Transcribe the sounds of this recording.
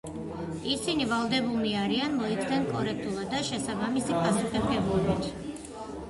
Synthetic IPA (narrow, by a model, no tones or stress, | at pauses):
isinivalˠd̪ɛbulˠniaɾianmɔikʰd̪ɛnkʼɔɾɛk̚ʰt̪ʼulˠad̪ːaʃɛsabamisipʰʼasuχɛɡɛblˠɔbit̪ʰ